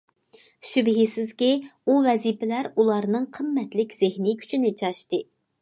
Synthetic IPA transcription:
ʃybɦisɪzkʲiuvɛzipɪlæɾulˠɑɾnɨŋqʰəmːɛt̪lɪkʲz̥ɪhnikʲʰy̥t͡ʃʰinɪt͡ʃʰɑʃt̪ɨ

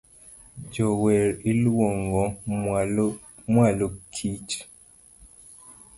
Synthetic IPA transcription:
d͡ʒɔwɛɾilwɔŋɡɔ | mwalokʰit͡ʃ

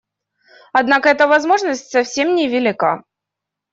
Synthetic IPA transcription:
ɐd̪nakəɛt̪əvɐzmo̞ʐnəsʲtʲsɐfsʲe̞mnʲɪvʲɪlʲɪka̰

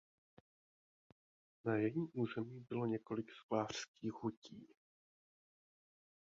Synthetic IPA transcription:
najɛjimʔuːzɛmiːbɪlo̞ɲɛko̞lɪksklaːr̥skiːxhuciː

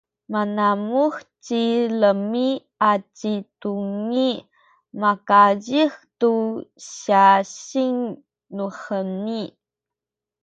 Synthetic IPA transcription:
manamuxt͡ɕiləmi | at͡ɕituŋi | makaɟixtuɕaɕiŋ | nuχəni

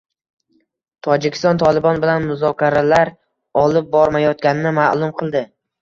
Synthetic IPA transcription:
t̪ʰɒd͡ʒɪkʲʰɪ̥st̪ɒnt̪ʰɒlˠɪbɒnbɪlanmʊzɒkʲʰaɾalaɾ | ɒlˠɪp̚bɒɾmajɒt̪̚kʲanɪnɪmalˠʊmqʰɨlˠd̪ɪ

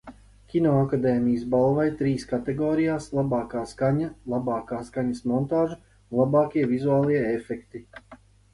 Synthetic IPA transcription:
kʲinɔakad̪ɛːmijəsbalˠvajt̪ɾiːskat̪ɛɡɔːɾijaːslˠabaːkaːskaɲalˠabɑːkaːskaɲɐsmɔnt̪aːʒu | lˠabaːkʲiɛvizuaːlˠiɛefɛkt̪i

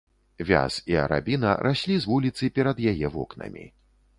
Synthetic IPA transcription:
vʲa̰siɐ̰ɾa̰bʲinɐ̰ɾʔasʲlʲizvulʲit̪sɨpʲɛɾɐd̪jajɛvɔknɐ̰mʲḭ

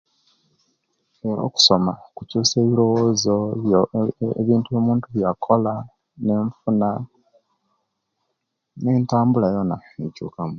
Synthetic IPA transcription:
eɾo̞̰ːku̥so̞makucuːse̞ːβilo̞woːzo | βiːntujo̞ːmuːntuβjakʰo̞la | ne̞ːɱfuna | ne̞ːntaːmbulajo̞naecṵːkamu

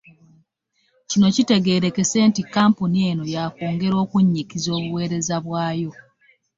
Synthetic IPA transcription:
cino̞cite̞ɡe̞ːɾe̞ke̞se̞ːntikːaːmpunie̞no̞jako̞ːŋɡe̞ɾo̞ːkuɲːikizo̞ːβuwe̞ːɾe̞zaβwaːjo̞

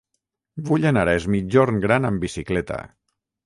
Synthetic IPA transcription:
buʎenaɾɛzmid͡ʒoɾŋɡɾanəmbisiklɛt̪a̰

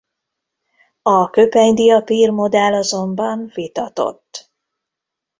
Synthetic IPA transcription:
ɒkø̞pɛɲd̪ijɒpiːrmo̞d̪ɛlːɒzo̞mbɒnvit̪ɒt̪o̞̰t̪ː

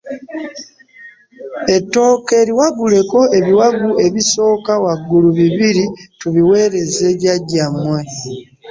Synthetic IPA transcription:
e̞tːo̞ːke̞ːɾiwaɡule̞ko̞e̞βiwaɡue̞βiso̞ːkawaɡːuluβiβiɾituβiwe̞ːɾe̞zeβaɟamːwe̞

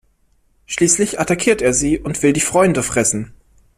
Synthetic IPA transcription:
ʃliːslɪçʔatakʰiːɐteːɐziːʔʊntv̥ɪldiːfʁ̥ɔʏndəfʁ̥ɛsn̩

